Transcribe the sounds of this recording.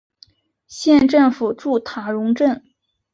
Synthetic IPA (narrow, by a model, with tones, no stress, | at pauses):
ɕjɛ˥˧nʈ͡ʂɤ˥˩ŋfu˨˩ʈ͡ʂu˥˩t̪ʰa˧˥ɻʊ˧˥ŋʈ͡ʂə˥˩ŋ